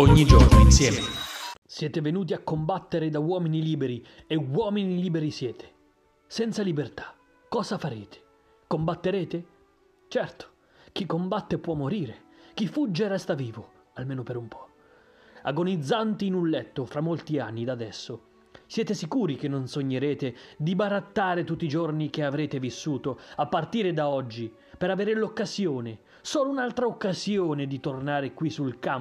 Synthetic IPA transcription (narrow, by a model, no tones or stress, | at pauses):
oɲːid͡ʒornoinsjɛːmesjɛːt̪evenuːt̪iakːombat̪ːeɾed̪awɔːminiliːbeɾi | ewɔːminiliːbeɾisjɛːt̪ʰe̥ | sɛnt̪salibert̪ḁ | kɔːzafaɾeːt̪ʰe̥ | kombat̪ːeɾeːt̪e | t͡ʃɛrt̪o̥ | k̟ikːombat̪ːepwɔmːoɾiːɾek̟ifud͡ʒːeɾɛst̪aviːvo | almeːnopeɾumpʰɔ̥ | a̰ɡonid̪zːant̪iːnunlɛt̪ːofɾamːolt̪ianːid̪ad̪ɛsːo | sjɛːt̪esikuːɾikenːonsoɲːeɾeːt̪ed̪ibaɾat̪ːaːɾet̪ut̪ːid͡ʒornik̟eavɾeːt̪evisːuːt̪oapːart̪iːɾed̪aɔd͡ʒːi | peɾaveːɾelokːazjoːne | soːlounalt̪ɾaokːazjoːned̪it̪ornaːɾekwisːulkam